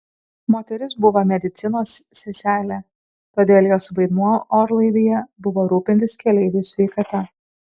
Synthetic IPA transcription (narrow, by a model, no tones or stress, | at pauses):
moːt̪ʲɛɾʲɪsbʊʋomʲɛd̪ʲɪt̪sʲɪnoːsːʲɛsʲæːlʲe | t̪oːd̪ʲeːlʲˠjoːsʋɐɪd̪muɔoːɾlˠɐɪd̪ʲiːjɛbʊʋoːɾuːpʲɪnʲt̪ʲɪskʲɛlʲɛɪʋʲuːsʲʋʲɛɪkɐt̪ɐ